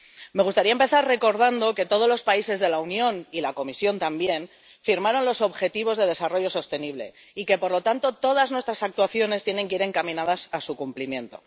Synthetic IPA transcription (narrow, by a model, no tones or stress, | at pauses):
me̞ɣust̪aɾiaempe̞θaɾre̞ko̞ɾðand̪o̞ke̞t̪o̞ð̞o̞zlo̞spaise̞zðe̞launjõ̞nilako̞misjo̞nt̪ambje̞n | fiɾmaɾo̞nlo̞so̞βxe̞t̪iβ̞o̞zðe̞ð̞e̞saro̞ʝo̞so̞st̪e̞niβle̞̰ | ike̞po̞ɾlo̞t̪ant̪o̞t̪o̞ð̞aznwe̞st̪ɾasak̚t̪uwaθjo̞ne̞st̪je̞neŋkeiɾe̞ŋkamĩnað̞asasukumplimjẽ̞nt̪o̞̰